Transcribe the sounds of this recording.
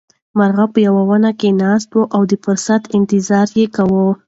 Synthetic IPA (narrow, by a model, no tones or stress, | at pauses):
maɾɣapəjawawanakenɑs̬t̪woʔawd̪əfʊɾsat̪ɪnt̪ɪzɑɾjekawə